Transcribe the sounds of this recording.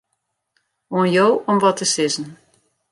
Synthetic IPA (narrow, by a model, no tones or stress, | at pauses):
oənjowɔmʋɔtəsɪzn̩